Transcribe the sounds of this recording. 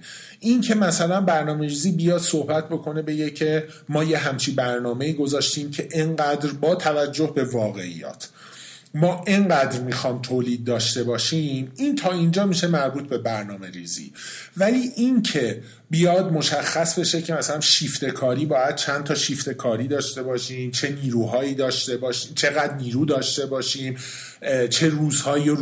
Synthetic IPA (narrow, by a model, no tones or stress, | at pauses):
ʔincʰe̞mæsælænbæɾnɒːme̞ɾiːziːbijɒːd̪̥sohbæt̪̚ʰbo̞kʰo̞ne̞be̞ɡecʰe̞ | mɒːje̞ɦæmt͡ʃʰibæɾnɒːme̞iːɡo̞zɒːʃt̪iːmcʰe̞ʔeŋɢæːd̪ɾbɒːt̪ʰævæd͡ʒːo̞hbe̞vɒːɣe̞̰ḭjɒ̰ːt̪ʰ | mɒːʔeŋɢæːd̪ɾmixɒːmt̪ʰoːliːd̪̚ːɒːʃt̪e̞bɒːʃiːmint̪ʰɒːind͡ʒɒːmiːʃe̞mæɾbuːt̪̚ʰbe̞bæɾnɒːme̞ɾiːzḭːvæliːʔincʰe̞ | bijɒːd̪̚mo̞ʃæxːæsbe̞ʃe̞cʰe̞mæsælænʃiːft̪e̞kʰɒːɾiːbɒːjæd̪̥̚t͡ʃʰændt̪ʰɒːʃiːft̪e̞kʰɒːɾiːd̪ɒːʃt̪e̞bɒːʃiːmt͡ʃʰe̞niːɾuːɦɒːiːd̪ɒːʃt̪e̞bɒːʃiːmt͡ʃʰe̞ɣæd̪ɾniːɾuːd̪ɒːʃt̪e̞bɒːʃiːm | t͡ʃʰe̞ɾuːzhɒːje